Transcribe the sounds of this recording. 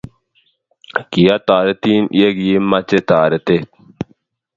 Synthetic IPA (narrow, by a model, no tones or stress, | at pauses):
kijat̪aːɾet̪iːnḭjeɡjimːɐt͡ʃet̪aːɾet̪et̪̚